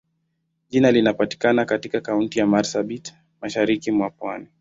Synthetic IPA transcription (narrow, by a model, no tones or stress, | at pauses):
ʄinalinapati̥kanakatikakauntijamaɾsaɓit | maʃaɾikimwapwani